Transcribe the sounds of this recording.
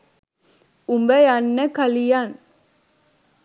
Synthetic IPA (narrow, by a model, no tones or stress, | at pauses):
umbəjanːəkɐlijaːn